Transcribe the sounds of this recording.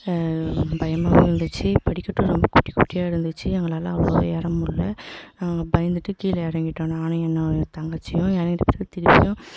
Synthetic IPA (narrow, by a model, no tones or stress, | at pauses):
bɐjɐmaːɣɐɪɾɯnd̪ɯt͡ʃːɯpɐɽɪkːɐʈːɯ̃ɾɔmbɐkʊʈːikʊʈːɪjaːɪɾɯnd̪ɯt͡ʃːɯɛŋɡɐɭaːlɐɐʋɽo̰ɛːɾɐmɯɭːɐnaːŋɡɐbɐjɐnd̪ɯʈːɯkiːlɐɛɾɐŋɡɪʈːõːnaːnɐɛnːɐ̃t̪ɐŋɡɐt͡ʃːɪjʊ̃ɛːɾɐŋɡɪʈːɐpɐɾɐɯt̪ɪɾɪpːɪ̰jʊ̃